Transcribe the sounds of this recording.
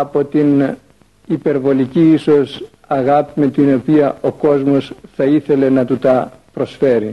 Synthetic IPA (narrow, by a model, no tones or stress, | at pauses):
ɐpo̞t̪in | ipe̞ɾvo̞liciiso̞s | ɐɣɐpime̞t̪ino̞piɐʔo̞ko̞zmo̞sθɐiθe̞le̞nɐt̪ut̪ɐpɾo̞sfe̞ɾi